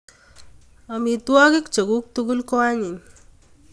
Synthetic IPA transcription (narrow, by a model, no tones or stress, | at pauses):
amit̪uaɡekd͡ʒəɡuk̚t̪uɡulkɔaɲin